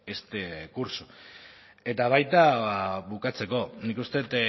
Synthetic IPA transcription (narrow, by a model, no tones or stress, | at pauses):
est̪ekuɾsu̥ | e̞t̪aβ̞ajt̪aβukat͡se̞ko̞nikust̪et̪